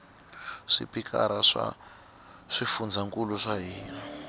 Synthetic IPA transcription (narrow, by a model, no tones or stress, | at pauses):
ʂḭpikʰa̰ɾaʂa̰ | ʂifund͡zaŋkuluʂaɦiːnɔ